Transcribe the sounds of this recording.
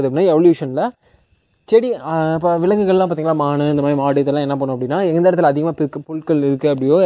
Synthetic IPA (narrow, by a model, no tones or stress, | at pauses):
ðɯpːɽɪnːãɛʋɐljuːʂɐnlɐ | t͡ʃɛɽipːɐʋɪlɐŋɡɯɣɐɭlãːpaːɾt̪iːŋɐlːaːmaːɳɯɪnd̪ɐmaːd̪ɾimaːɽɯt̪ːɛlãːɛnːɐp̬ɐːɳːʊ̃ɐpːɐɽɪnːaːɛŋɡɐnd̪eːɾɐt̪ɯlɐðɪɣɐmaːpɪɾɯkːɯpʊlʈkɐlɪɾɯkːɯɐp̬ːɐɽɪjoː